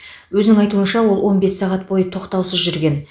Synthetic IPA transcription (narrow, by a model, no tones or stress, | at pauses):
wɵzɪnɪŋɑjt̪uənʃɑwo̞lˠwo̞nbe̞sːɑʁɑt̪̚bo̞jət̪ʰo̞qt̪ɑwsəzʒʏɾɡʲe̞n